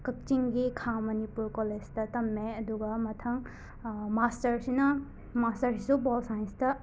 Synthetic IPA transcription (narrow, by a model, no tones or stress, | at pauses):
kɐk̚t͡ʃiŋɡikʰamɐnipuɾkoled͡ʒtɐtɐmːeɐduɡɐmɐtʰɐŋ | mastɐɾsinɐ | mastɐɾsisubɔlsajnstɐ